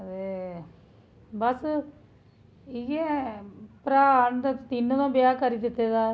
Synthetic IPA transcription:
e | bəs | ɪɡe | pɾaːəɳd̪t̪t̪inːõːt̪ãːbjaːkəɾiːd̪ɪt̪ːeːd̪aː

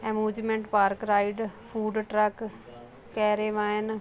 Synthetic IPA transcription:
ɛmuːd͡ʒmẽɳʈpaːɾkɾaːiɖpʰuːɖʈɾək | kɛːɾeːʋãːən

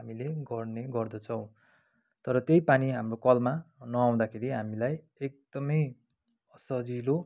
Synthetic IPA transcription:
ɦamileɡʌrneɡʌrd̪ʌt͡sʰʌw̃ | t̪ʌɾʌt̪ejpaniɦamrokʌlmanʌaw̃d̪akʰeɾiɦamilaj | ek̚d̪̥ʌmʌj | ʌsʌd͡zilo

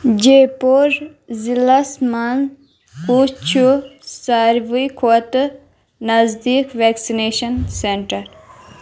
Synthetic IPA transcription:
d͡ʒepoɾ | zilɐsman | kut͡ʃʰusaːɾʋujkʰot̪ | nɐzd̪iːkʋeːksineːʃɐnseɳʈɐɾ

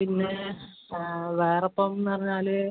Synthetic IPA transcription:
pinːe | ʋeːrɐpːomnːɨpɐriɲːaːlɨ

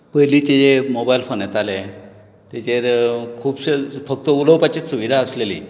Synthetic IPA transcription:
pəɦjlit͡ɕed͡ʑemobajlfonet̪ale | t̪jet͡ɕeɾkʰuːbɕfək̚t̪əuləwpat͡ɕesuʋid̪ʱaəslelḭː

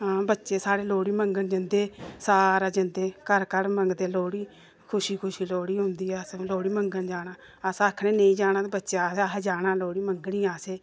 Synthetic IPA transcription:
ɦãːbətːʃeːsaːɾeːloːɽiːməŋɡənd͡ʒənd̪eːsaːɾaːd͡ʒənd̪eːkəɾkəɾməŋɡd̪eːloːɽiː | kʰʊʃiːkʰʊʃiːloːɽiːɦʊ̃nd̪iːɛːəsloːɽiːməŋɡənd͡ʒaːnaː | əsəkʰnẽːneĩːd͡ʒaːnãːt̪ːbətːʃaːsad͡ʒaːɽaːloːɽiːməŋɡniːaːseː

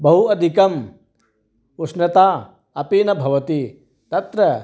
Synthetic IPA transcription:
bɐɦuɐd̪ʱikɐm | usnɐt̪aː | ɐpinɐbʱɐʋɐt̪i | t̪ɐt̪ɾɐ

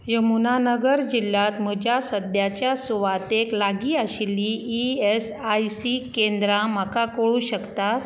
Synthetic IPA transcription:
jemunanəɡəɾd͡ʑilːat̪m̤əd͡ʑjasəd̪jat͡ɕjasuʋat̪eklaɡiːaɕilːiːes | ajsikend̪ɾãm̤akakoɭuɕəkt̪at̪

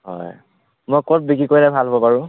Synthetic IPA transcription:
ɦɔ̰j | mojkɔt̚bikikojlɛbʱalɦobɔpaɹʊ̃

